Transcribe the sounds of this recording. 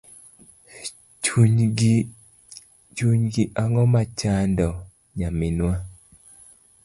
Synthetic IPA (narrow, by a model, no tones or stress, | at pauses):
uɲ | t͡ʃuɲɡiʔaŋɔmat͡ʃandɔ | ɲamɪnwa